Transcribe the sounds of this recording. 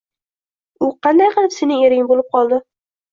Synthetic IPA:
ʊqʰɑnd̪ajqɨlˠɪpsenɪŋeɾɪŋbolˠɪp̚qʰɒlˠd̪ɪ

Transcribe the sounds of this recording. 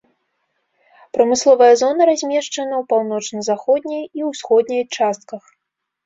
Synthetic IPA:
pɾɐmɨslˠɔvɐjɐzɔnɐɾazʲmʲɛʂt͡ʂɐnɐwpawn̪ɔt͡ʂnɐzaxɔd̪ʲnʲɐjiwsxɔd̪nʲɐjt͡ʂast̪̚kɐx

